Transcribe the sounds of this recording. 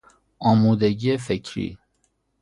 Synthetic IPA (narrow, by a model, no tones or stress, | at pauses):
ɒːmuːd̪eɟiːefecʰɾḭː